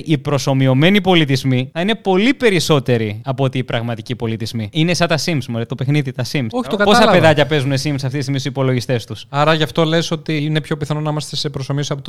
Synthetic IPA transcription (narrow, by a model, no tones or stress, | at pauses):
ʔipɾo̞so̞mio̞me̞nipo̞lit̪izmiɐine̞po̞lipe̞ɾiso̞t̪e̞ɾiɐpoot̪iːpɾɐɣmɐt̪icipo̞lit̪izmiine̞sɐt̪ɐsimsmuɾet̪ope̞xniðit̪ɐsimsoçit̪okɐtpossɐpeðɐcɐpe̞zunesimsɐft̪ist̪imissipo̞lo̞ʝist̪e̞st̪usɐɾɐʝɐft̪o̞le̞so̞t̪ine̞pço̞piθɐnonɐimɐst̪e̞sepɾosomiosiɐpot̪